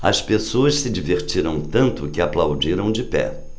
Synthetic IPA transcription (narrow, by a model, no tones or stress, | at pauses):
ɐ̰spesoɐssɪd͡ʒiveɾt͡ʃiɾɐ̃w̃t̪ɐ̃nt̪ʊkɪaplawd͡ʒiɾɐ̃w̃d͡ʒɪpɛ̰